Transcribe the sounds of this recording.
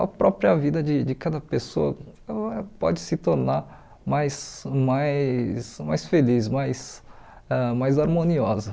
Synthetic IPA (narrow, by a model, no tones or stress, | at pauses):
ɐ̰pɾɔpɾiɐvid̪ɐd͡ʒɪd͡ʒɪkad̪ɐpesoɐ | ɛpɔ̰d͡ʒɪsɪt̪oɾnaɾ | majsmajsmajsfelismajs | ɛmajzaɾmõniɔzɐ